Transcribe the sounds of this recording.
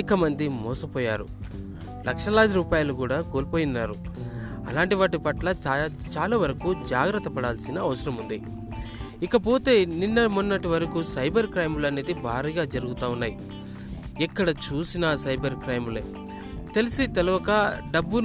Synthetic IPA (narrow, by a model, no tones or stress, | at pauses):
kɐmɐnd̪imɔːsɐpɔːjaːɾu | lɐkʂɐlaːd̪iɾuːpaːjɐlukuːɽaːkoːlipoːjinːaːɾu | ɐ̰laːɳʈiʋaːʈ̬ipɐʈlɐt͡ʃaːlaːʋɐɾɐkuːd͡ʒaːɡɾɐt̪ːɐpɐɽaːlsinɐɐʋɐsɐɾɐmund̪i | ikɐpo̞ːt̪e̞ːninːɐmunːɐʈiʋɐɾɐkusɐjbɐɾkɾɐjmlɐneːd̪ibʱaːɾiːɡaːd͡ʒɐɾuɡut̪aːunːaːji | ikːɐɽɐt͡ʃuːsinɐsɐjbɐɾkɾɐjmlḛː | t̪elisit̪ɛlɐʋɐkɐɖɐbːun